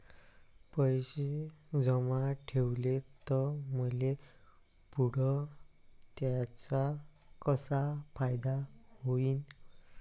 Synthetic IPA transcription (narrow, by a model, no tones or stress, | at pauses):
pəjɕe | d͡zɔmaʈʰewlet̪ɔməle | puɽɔ | t̪jat͡sa | kəsapʰajd̪ahoiːn